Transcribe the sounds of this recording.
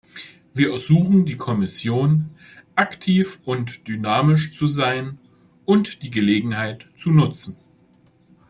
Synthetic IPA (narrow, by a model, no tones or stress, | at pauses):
viːɐɛɐzuːxn̩diːkʰɔmɪsjoːn | ʔaktʰiːfʔʊntd̥ynaːmɪʃt͡suzaɪn | ʔʊntd̥iːɡəleːɡŋ̩haɪtt͡sunʊt͡sn̩